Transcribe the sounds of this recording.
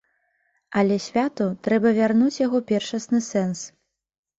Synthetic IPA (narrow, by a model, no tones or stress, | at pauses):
ɐlʲɛsʲvʲat̪ut̪ɾɛbɐvʲarnut͡sʲjaɣɔpʲɛrʂɐsnɨsɛns